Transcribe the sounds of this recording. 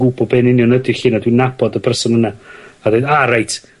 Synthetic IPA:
uːbɔbɛnɪnjɔnədɪɬiːnadwɪnabɔdəpʰəsɔmənaadejdaɾajtʰ

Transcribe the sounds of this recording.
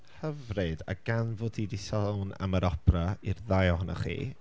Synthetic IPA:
həvrɨda̰ɡ̥anvoːdidisɔlˠna̰maɾɔpʰrairðajɔɦʊna̰χḭː

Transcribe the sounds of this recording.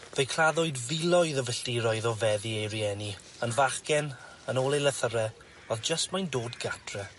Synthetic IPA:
vəjkʰl̥ˠaðʊɨdvɪlˠɔjðəvəɬtiɾɔjðɔvɛðiejɾiɛni | ənvaχkɛn | ənoːlˠejləθəɾɛ | ɔðd͡ʒəstmajndoːdɡatʰrɛ

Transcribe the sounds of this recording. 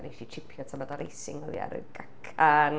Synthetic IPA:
nejʃit͡ʃʰɪpʰjɔtʰamadɔɾejsɪŋɔðḭa̰ɾɨ̰ɡakʰan

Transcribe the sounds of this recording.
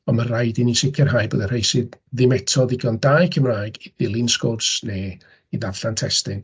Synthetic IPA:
ɔnmarajdinisɪkʰjɛrɦajbo̰ːdər̥hejsɨdðɪmɛtʰɔðɪɡɔndaːjkʰəmraːjɡib̥ɪlˠɪnskʊrsne | iðavɬantʰɛstɪn

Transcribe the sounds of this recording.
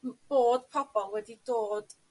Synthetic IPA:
b̥oːd̥pʰɔb̥ɔnwɛdidoːd̥

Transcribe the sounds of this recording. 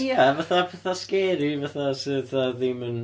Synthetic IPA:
javaθapʰɛθaskɛːɾivaθasɨðaðimən

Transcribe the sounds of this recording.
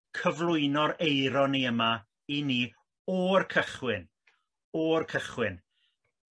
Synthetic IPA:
kʰəvlˠʊɨnɔɾejɾɔniəma | iniː | ɔrkʰəχwɪn | ɔrkʰəχwɪn

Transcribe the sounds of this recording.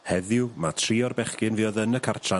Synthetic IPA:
hɛðɪwmatʰriːɔrbɛχkɪnviːɔðənəkʰartʰa

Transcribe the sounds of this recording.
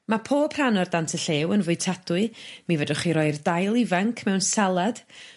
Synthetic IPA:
mapʰoːpʰranɔrdantʰəɬeːwənvʊɨtʰadʊɨmivədʊχiɾɔɨrdajlˠivaŋkʰmɛwnsalˠad̥

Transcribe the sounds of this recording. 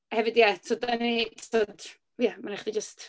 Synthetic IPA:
hɛvɨdjatʰodənitʰod̥ | jamanɛχdid͡ʒəst

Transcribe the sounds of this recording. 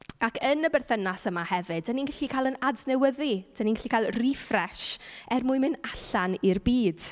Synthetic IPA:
akʰənəbɛrθənasəmahɛvɨd̚aninɡɪɬikʰalˠənadnɛwəðid̥aninɡɛɬikalˠrifrɛʃɛrmʊɨmɨnaɬanirbiːd̥

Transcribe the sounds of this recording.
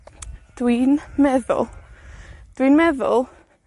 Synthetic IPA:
d̥wiːnmɛðʊ̰lˠ | d̥winmɛðʊ̰lˠ

